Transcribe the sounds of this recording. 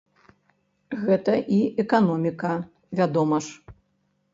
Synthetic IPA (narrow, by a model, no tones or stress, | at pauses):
ɣɛt̪ɐʔiɛkanɔmʲikɐ | vʲad̪ɔmɐʂ